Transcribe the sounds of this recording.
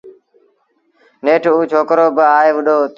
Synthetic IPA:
neːʈʰuːt͡ʃʰoːkɾoːbəaːeːʋəɗoːt̪

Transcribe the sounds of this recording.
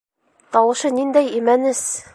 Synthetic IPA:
t̪ɒwɤ̆ʃɤnind̪æjimænɘs

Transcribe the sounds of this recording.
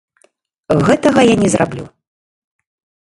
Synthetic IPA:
ɣɛt̪ɐɣɐjanʲɛzrʔa̰blʲṵ

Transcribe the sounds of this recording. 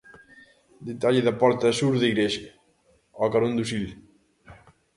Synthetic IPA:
d̪et̪aʎeðapɔɾt̪ɐsuɾðiɣɾeʃ | ɔkaɾond̪usiʎ

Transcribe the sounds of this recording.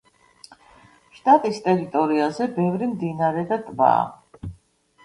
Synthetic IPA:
ʃt̪ʼat̪ʼist̪ʼɛɾit̪ʼɔɾiazɛbɛvɾimd̪inaɾɛd̪at̪ʼba̰ː

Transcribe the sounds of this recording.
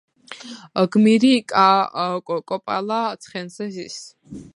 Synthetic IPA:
ɡmiɾikʼa | kʼɔpʼa̰lat̪sʰχɛnsɛzḭs

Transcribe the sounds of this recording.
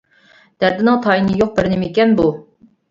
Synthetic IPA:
d̪̥æɾd̪ɪnɨŋt̪ʰɑinɨjoq̚bɪɾnɪmikʲɛnbu

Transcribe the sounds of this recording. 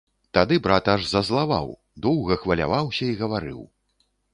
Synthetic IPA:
t̪ad̪ɨbɾat̪aʐzɐzlˠava̰w | d̪ɔwɣɐxvɐlʲa̰vawsʲɐiɣɐvaɾɨ̰w

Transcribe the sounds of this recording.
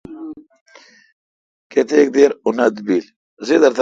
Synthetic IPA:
ket̪ʰek̚d̪eɾunɐd̪bil | zed̪ɐɾt̪

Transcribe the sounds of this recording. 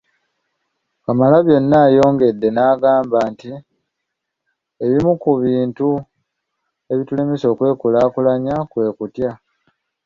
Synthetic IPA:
kamalaβjo̞nːaːjo̞ːŋɡe̞dːe̞naːɡaːmbaːnti | e̞βimukuβiːntu | e̞βitulemiso̞ːkwe̞ːkulaːkulaɲakwe̞ːkutja

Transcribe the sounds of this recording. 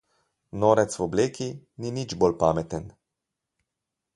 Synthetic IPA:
noːɾɛt̪swɔbleːkininid͡ʒbolpaːmɛt̪ɛn

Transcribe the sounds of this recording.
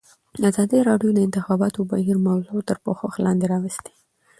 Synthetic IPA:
azɑd̪iɾɑɖjod̪əɪnt̪ɪxɑbɑt̪obahiɾmawzot̪əɾpoxoxlɑ̰nd̪eɾɑwɪst̪e̥

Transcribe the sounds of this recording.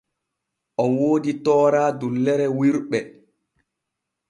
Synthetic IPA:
ʔɔwoːditɔːɾaːdulːɛɾɛwiɾɓɛ

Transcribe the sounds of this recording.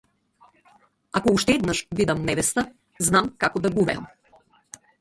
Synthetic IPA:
akouʃt̪ɛɛd̪naʃvid̪ɐmnɛvɛst̪a | znamkakod̪aɡuvɛ̰ɐ̰m

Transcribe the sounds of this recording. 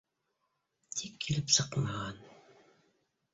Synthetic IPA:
t̪ʰikʰːilɪpsɤqmɑʁɑn

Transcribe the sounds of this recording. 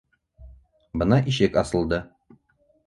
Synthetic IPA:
bɤ̆nɑʔiʃɘkɑsɤ̆lˠd̪ɤ

